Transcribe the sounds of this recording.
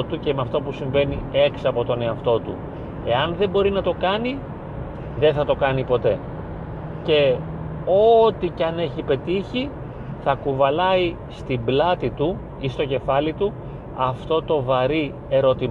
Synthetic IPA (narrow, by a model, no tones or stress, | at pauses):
t̪ucemeɐft̪o̞pusiɱve̞nie̞ksɐpo̞t̪o̞ne̞ɐft̪o̞t̪ṵ | e̞ɐnðe̞bo̞ɾinɐt̪o̞kɐni | ðe̞nθɐt̪o̞kɐnipo̞t̪e̞ | ce̞ | o̞t̪icɐne̞çipe̞t̪içi | θɐkuvɐlɐi | st̪iblɐt̪it̪u | ist̪o̞ce̞fɐlit̪u | ɐft̪o̞t̪o̞vɐɾi | e̞ɾo̞t̪i